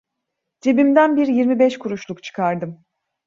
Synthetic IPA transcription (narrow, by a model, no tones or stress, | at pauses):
d͡ʒebimd̪ænbiɾjiɾmibɛʃkʰuɾuʃlˠukt͡ʃʰɯ̥kʰaɾd̪ɯm